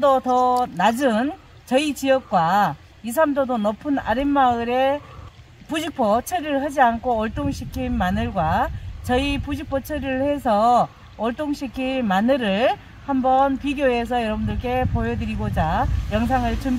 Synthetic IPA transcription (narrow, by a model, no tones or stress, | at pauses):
dotʌnad͡ʑɯn | t͡ɕʌit͡ɕijʌk̚k͈wa | is̬ʰamdodonʌpʰɯna̰ɾimːaɯɾe̞ | pud͡ʑik̚pʰʌt͡ɕʰeɾɯɭhad͡ʑiankʰoːɭt͈oŋɕʰikʰinmanɯɭɡwat͡ɕʌipud͡ʑik̚pʰot͡ɕʰeɾɯɭhe̞sʰʌ | ʌɭt͈oŋɕʰikʰinmanɯɾɯɭ | hambʌnpiɡjoe̞s̬ʰʌjʌɾʌbundɯɭk͈e̞pojʌdɯɾiɡod͡ʑajʌŋs̬ʰaŋɯɭt͡ɕum